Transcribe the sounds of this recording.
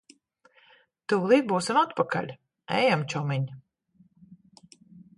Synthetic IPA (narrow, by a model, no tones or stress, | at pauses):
t̪uːlˠiːbuːsamat̪paka̰lʲ | ɛ̰jamt͡ʃɔmiɲ